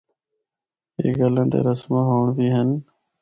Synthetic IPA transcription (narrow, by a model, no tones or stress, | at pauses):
ḛːɡələ̃ːt̪ḛːɾəsmãːɦoːɳbiːɦən